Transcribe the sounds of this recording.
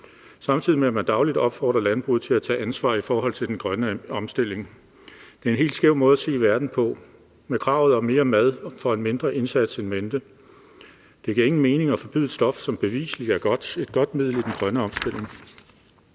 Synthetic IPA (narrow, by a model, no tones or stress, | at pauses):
sɑ̈mt͡sʰið̞̰ˠimeæmænd̥ɑ̈ʊlid̥ɒ̽b̥fɒ̰ːd̥ʁɐlænb̥ʁṵð̩ˠt͡sʰe̝æt͡sʰɛ̰ːænsʋɑ̰̈ːifɒːɦɒ̽l̰t͡sʰe̝ld̥enɡ̥ʁɶnəɒ̽msd̥e̝l̰e̝ŋ | d̥e̝æɐenɦe̝̰ld̥sɡ̥eʊ̰mɔ̽ːð̞ˠæse̝̰ːʋæɐd̥n̩pʰɒ̽ | mekʰʁɑ̈ʊð̞̩ˠɒ̽me̝ːɐmæð̞ˠfɒ̽enme̝nd̥ʁɐʔe̝nsæd̥senmend̥ə | d̥e̝ɡ̥iɐe̝ŋn̩me̝ːne̝ŋɒ̽fɒ̽b̥yð̩ˠsd̥ɒ̽fsɒ̽mb̥e̝ʋḭːsli̥æɐɡ̥ɒd̥e̝d̥̚ɡ̥ɒ̽d̥̚mið̞̰ˠl̩ˠid̥enɡ̥ʁɶnəɒ̽msd̥e̝l̰e̝ŋ